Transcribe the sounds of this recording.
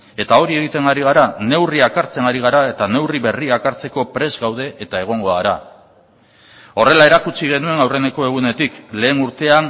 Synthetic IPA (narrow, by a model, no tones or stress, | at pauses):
e̞t̪ao̞ɾie̞ɣ̞it̪e̞ŋɡaɾiɣaɾane̞wriakaɾt͡se̞ŋaɾiɣ̞aɾae̞t̪ane̞wriβe̞riakaɾt͡se̞ko̞pɾe̞zɣawð̞e̞ʔet̪ae̞ɣ̞o̞ŋɡo̞aɾa̰ | o̞re̞lae̞ɾakut͡siɣ̞e̞nue̞nawre̞ne̞ko̞e̞ɣ̞une̞t̪ikle̞ːnuɾt̪e̞an